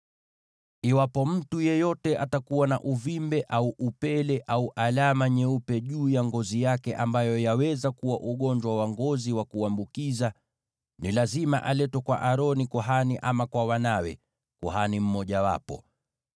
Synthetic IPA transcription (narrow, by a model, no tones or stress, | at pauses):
iwapɔm̩tujɛjɔtɛʔatakuwana̰ʔuvimbɛʔauʔupɛlɛʔauʔalamaɲɛupɛʄuːjaŋɡɔzijakɛʔambajɔjawɛzakuwaʔuɠɔɲd͡ʒwawaŋɡɔziwakuambukiza | nilazima̰ʔalɛtwɛkwaʔaɾɔnikɔɦaniʔamakwawanawɛ | kɔɦanim̩mɔʄawa̰pɔ̰